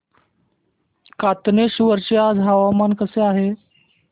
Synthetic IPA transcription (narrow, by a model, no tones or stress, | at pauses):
kat̪neɕuʋəɾt͡ɕead͡zɦaʋamankəseaɦe